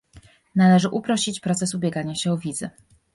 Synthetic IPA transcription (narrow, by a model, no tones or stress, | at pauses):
nalɛʐɘʔupɾɔɕit͡ɕpɾɔt̪sɛsubʲjɛɡaɲaɕɛɔvʲid̪zɘ